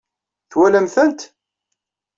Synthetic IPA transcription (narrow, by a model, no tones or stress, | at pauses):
θwæləmθənt̪